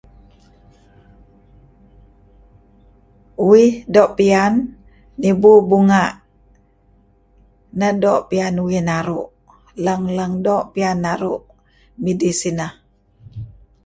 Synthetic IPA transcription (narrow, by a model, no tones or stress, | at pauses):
uwɪhdɔʔpianː | ibubuŋaʔ | nədɔʔpianuwihnaɾuʔ | ləŋləŋdoʔpianːaɾuʔ | midisinah